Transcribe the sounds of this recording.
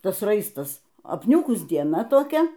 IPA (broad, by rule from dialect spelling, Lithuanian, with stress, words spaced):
ˈtɐs ˈrɐɪstɐs ɐpʲˈnʲuːkʊs dʲiɛˈnɐ toːˈkʲɛ